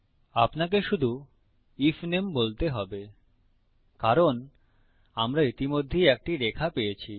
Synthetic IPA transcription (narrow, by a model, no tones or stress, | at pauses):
apnak̬eʃud̪ʱu | ifnembolt̪eɦɔbe | kaɾon | amɾait̪imod̪ʱːejɛk̚ʈiɾekʰapejet͡ɕʰi